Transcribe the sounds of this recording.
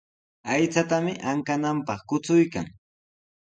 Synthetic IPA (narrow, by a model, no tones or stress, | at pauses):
ajt͡sat̪amɪʔaŋkanampɑχkʊt͡sʊjka̰ŋ